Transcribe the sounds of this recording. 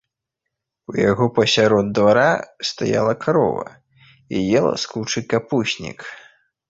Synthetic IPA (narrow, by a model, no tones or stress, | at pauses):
ujaɣɔpɐsʲaɾɔd̪d̪vaɾast̪aja̰lˠɐkʰaɾɔ̰vɐ̰ | ijɛlˠɐ̰skuwt͡ʂɨkapusʲnʲḭk